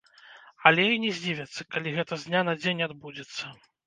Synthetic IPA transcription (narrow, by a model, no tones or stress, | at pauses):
ɐlʲɛinʲɛzʲd͡zʲivʲɐt̪sːɐkalʲiɣɛt̪ɐzʲnʲanɐd͡zʲenʲad̪bud͡zʲɛt̪sːɐ